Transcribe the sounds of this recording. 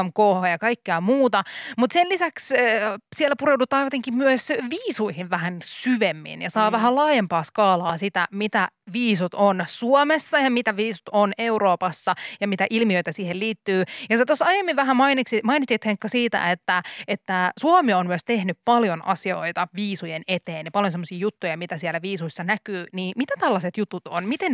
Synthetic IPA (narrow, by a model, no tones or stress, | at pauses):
mkoːhɑjɑkɑikːeɑmuːt̪ɑmut̪selisækssielːæpuɾewdut̪ɑːjot̪eŋkimmyøsʋiːsuihiʋʋæhænsyʋemːḭnjɑsɑːʋæɦælɑːjempɑːskɑːlɑːsit̪æmit̪æʋiːsut̪onsuomesːɑjɑmit̪æʋiːsu̥t̪oneuɾoːpɑsːɑjɑmit̪æʔilmiøit̪æsiːhelliːt̪ːyːjɑset̪osɑjemːiʋʋæɦæmɑiniksimɑinit̪it̪heŋkːɑsiːt̪æ̰et̪ːæet̪ːæsuɑmionmyøst̪ehnyppɑljonɑ̰sio̰it̪ɑʋiːsujenet̪eːnjepɑljonsemːosiːjut̪ːujɑmit̪æsiælːæʋiːsuisːɑnækyːniːmit̪æt̪ælːɑset̪jut̪ut̪onmit̪en